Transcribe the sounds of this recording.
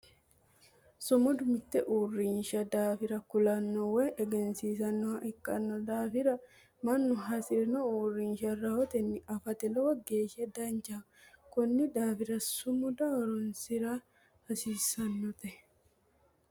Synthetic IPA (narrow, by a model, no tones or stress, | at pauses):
sɔmɔd̪ʊmɪt̪ːɛʔuːrːinʃɐd̪aːfɪɾɐkʊlɐnːɔwɛʔɛɡɛnsiːs̬ɐnːɔhɐʔɪkʼːɐnːɔd̪aːfɪɾɐ | mɐnːʊɦɐsɪɾnɔuːrːinʃɐrɐhɔt̪ɛnːɪʔɐfɐt̪ɛlɔwɐɡeːʃɪɐd̪ɐnd͡ʒa | kɔnːɪd̪aːfɪɾɐsʊmʊd̪ɐwɾʊnsɪɾa | hɐsiːsɐnːɔt̪ɛ